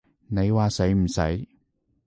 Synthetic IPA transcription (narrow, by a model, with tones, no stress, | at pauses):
ne˨˧jwaː˨se˨˥jm̩˨˩sɐ̰˨˥j